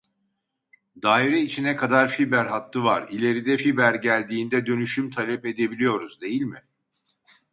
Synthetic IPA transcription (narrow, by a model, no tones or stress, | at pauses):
d̪aːiɾɛit͡ʃʰinɛkʰad̪aɾfibæɾɦat̪lˠɯvaɾilʲe̞ɾid̪ɛfibæɾɟælʲd̪iːnd̪ɛd̪ø̞nyʃymt̪ʰalʲɛpe̞d̪e̞bilʲijo̞ɾuzd̪e̞jilʲmɪ